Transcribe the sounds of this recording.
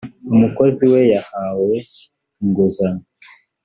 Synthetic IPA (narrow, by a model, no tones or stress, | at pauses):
umuko̞ziwe̞jahawe̞ | ŋɡozana